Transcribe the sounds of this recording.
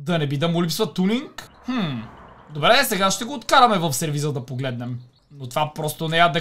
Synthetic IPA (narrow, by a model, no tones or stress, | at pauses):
d̪ɐnɛbid̪ɐmʊlipsvɐt̪uniŋkh̩ | d̪obɾɛsɛɡaʃt̪ɛɡoːt̪kaɾɐmɛvɐfsɛɾvizəd̪ɐpoɡlɛd̪nɛm | not̪ovapɾɔst̪onɛad̪ɐ